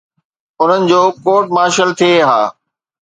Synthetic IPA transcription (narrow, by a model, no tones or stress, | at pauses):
ʊn̤ənɪ̆d͡ʑoːkoːʈ̚maːʃəlt̪ʰieɦaː